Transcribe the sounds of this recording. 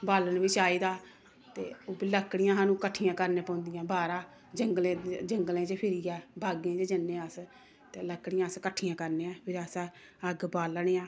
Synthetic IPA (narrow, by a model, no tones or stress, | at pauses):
baːlənʋiːt͡ʃaːiːd̪aː | t̪ḛːoːbiləkːɽɪjãːɦaːnũːkəʈʰːijãːkəɾnẽːpɔ̃ːnd̪ɪjãːbaːɾaː | d͡ʒəŋɡlẽːd͡ʒəŋɡlẽːt͡ʃəpʰɪɾiːɛːbʱaːɡẽːt͡ʃəd͡ʒənːẽːəs | t̪eːləkːɽɪjãːəskəʈʰːijãːkəɾnẽːãːpʰɪɾəs | əɡbaːlɳeːãː